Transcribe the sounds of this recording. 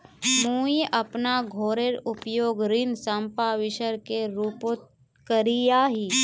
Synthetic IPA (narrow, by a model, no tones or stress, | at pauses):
muːiʔɐpnaɡʱoːɾeɾʊpjoːɡɾiːnsɐmpaʋɪʃəɾkeɾuːpot̪̚ | kəɾijaɦiː